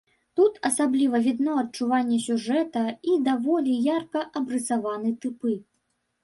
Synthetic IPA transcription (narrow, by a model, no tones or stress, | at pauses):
t̪ut̪ɐsablʲivɐvʲid̪nɔɐt̚t͡ʂuvanʲːɛsʲuʐɛt̪ɐid̪avɔlʲijarkɐʔɐbɾɨsavanɨt̪ɨpɨ